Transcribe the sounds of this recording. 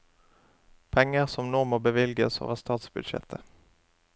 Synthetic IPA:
pʰɛŋːəʁsɔmnoːmoːbəʋɪlɡəso̰ːʋəʁst̪ɑːt̪sbʉd̪ʃɛ̰t̪ʰə

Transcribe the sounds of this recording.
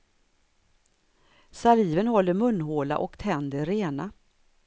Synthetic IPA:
saliːvənhɔlːəmɵnːɦoːla̰ʔɔkt̪ʰɛnd̪əɾːeːna

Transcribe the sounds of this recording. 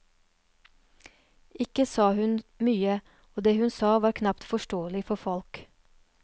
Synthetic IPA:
ɪkəsɑːhʉnmyːə | oːd̪eːhʉnsɑːʋɑːɾkʰnɑpt̪fɔʃʈoːəlɪfɔfɔlk

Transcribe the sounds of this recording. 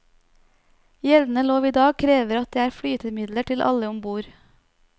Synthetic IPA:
jɛlnəloːʋiːd̪ɑːɡ̚kʰɾeːʋəɾɑt̪̚d̪eːæːɾfɽyːt̪əmɪd̪ləʈʰɪlʔɑ̰ləʊmbuːɾ

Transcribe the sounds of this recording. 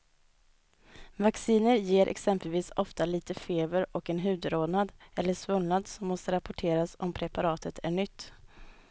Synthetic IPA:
vaksiːnəɾjeːɾʔɛ̰ksɛmpəlviːsɔft̪aliːt̪əfeːbəɾɔkɛnɦʉ̟ːd̪ɾoːnad̪ɛlːəʂvɵnnad̪sɔmːɔst̪əɾapɔʈʰeːɾasɔmpʰɾɛpaɾɑːt̪ʰət̪ʰæɳʏt̪ː

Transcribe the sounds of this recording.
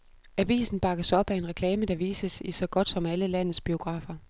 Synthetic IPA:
æʋḭːsn̩b̥ɑ̈ɡ̥əsɒ̽b̥æe̝nʁɛkʰlɛːməd̥ɑ̈ʋiːsəsisɒ̽ɡ̥ɒ̽d̥sɒ̽mæləlæn̰ð̩ˠsb̥io̝ɡ̥ʁɑ̰̈ːfɐ

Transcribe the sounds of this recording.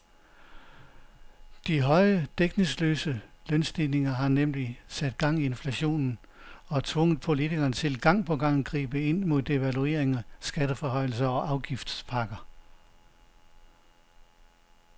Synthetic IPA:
d̥iɦɒ̽ɪəd̥eɡ̥ne̝ŋslø̰ːsəlœnsd̥ine̝ŋɐɦɑ̈nemlisæd̥̚ɡ̥ɑ̈ŋ̰ie̝nflæɕo̝̰ːnn̩ | ɒ̽t͡sʰʋɔ̽ŋ̰əð̩ˠpʰo̝lit͡sʰiɡ̥ɐːnt͡sʰe̝lɡ̥ɑ̈ŋ̰pʰɒ̽ɡ̥ɑ̈ŋ̰n̩ɡ̥ʁḭːb̥əe̝n̰mo̝ð̰ˠe̝ʋælue̝̰ɐ̰eŋæsɡ̥æd̥əfɒɦɒ̽ɪ̰l̩s̬ɐɒ̽ʔɑ̈ʊɡ̥ifd̥spʰɑ̈ɡ̥ɐ

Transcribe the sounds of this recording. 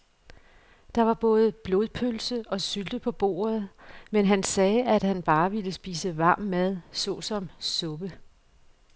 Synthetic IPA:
d̥ɑ̈ʋɑ̈b̥ɔ̽ːð̞̩ˠb̥lo̝ð̞ˠpʰølsəɒ̽syld̥əpʰɒ̽b̥o̝̰ːɐð̞ˠmenɦænsɛːæd̥hænb̥ɑ̈ːʋiləsb̥ḭːsəʋɑ̈ːmːæð̞ˠsɔ̰̽sɒ̽msɔ̽b̥ə

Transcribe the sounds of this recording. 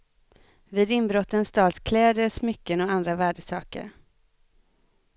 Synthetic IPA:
vɪːd̪ɪnbɾɔt̪ːənst̪ɑːlskʰlɛːd̪əɾsmʏkːənɔand̪ɾavæːɖəsɑːkə̰ɾ

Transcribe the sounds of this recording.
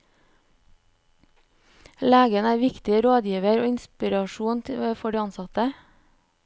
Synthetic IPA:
læːɡənæːʋɪkt̪ɪəɾoːd̪jiːʋəɾoːɪnspɪɾɑʃuːnfɔɖiːɑnsɑt̪ə

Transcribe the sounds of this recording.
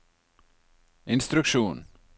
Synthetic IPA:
ʔɪnst̪ɾʉkʃuːn

